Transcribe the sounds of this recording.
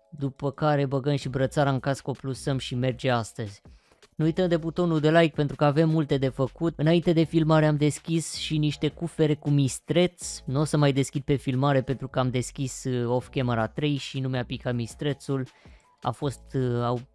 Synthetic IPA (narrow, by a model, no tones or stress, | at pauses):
d̪upəkaɾe̞bəɡənʃibɾət̪saɾaɨŋkaskuo̞plusəmʃime̞rd͡ʒe̞ast̪əzʲ | nuujt̪əmd̪e̞but̪o̞nuld̪e̞lajk̚pe̞nt̪ɾukəave̞mːult̪e̞d̪e̞fəkut̪ɨnaint̪e̞d̪e̞filmaɾeamd̪e̞skʲisʃiniʃt̪e̞kufe̞ɾe̞kumist̪ɾe̞t̪snuosəmajd̪e̞skʲid̪̚pe̞filmaɾe̞pe̞nt̪ɾukəamd̪e̞skʲiso̞fkʲeməɾat̪ɾe̞jʃinumeapikamist̪ɾe̞t̪sul | a̰fo̞st̪aw